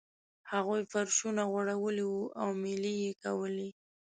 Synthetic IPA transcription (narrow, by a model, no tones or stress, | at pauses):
haɣujfaɾʃunaɣaɽawəliwuʔawmɪlijekawəli